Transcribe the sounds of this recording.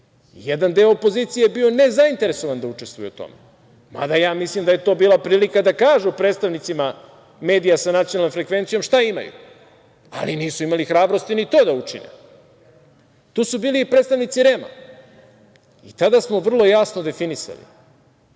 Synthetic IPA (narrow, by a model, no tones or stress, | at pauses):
jed̪and̪eoopo̞ziːt̪sijebione̞zaint̪e̞ɾe̞so̞ʋand̪aut͡ʂe̞st̪vujɛ̰ut̪o̰me | ma̰d̪ajaːmislimd̪aje̞t̪o̞ːbiːlˠapɾiːlikad̪akaːʒupɾeːt̪st̪aʋnit̪sima | me̞ːd̪ijasanat̪ijonalnomfɾe̞kʋe̞nt̪sijo̞mʃt̪aima̰jṵ | a̰liniːsuimalixɾaːbɾo̞st̪init̪o̞ːd̪aut͡ʂinḛ | t̪uːsubiːliːpɾet̪st̪aʋnit̪siɾema̰ | it̪ad̪asmo̞ʋr̩lˠo̞jasnod̪e̞finisa̰lḭ